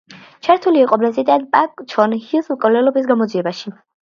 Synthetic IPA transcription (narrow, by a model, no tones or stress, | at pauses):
t͡ʃʰaɾt̪ʰuliɛqʼɔblɛsid̪ʼad̪pʼakʼt͡ʃʰɔnhilˠsmkʼɔlɛlɔbisɡamɔd̪ziɛbaʃi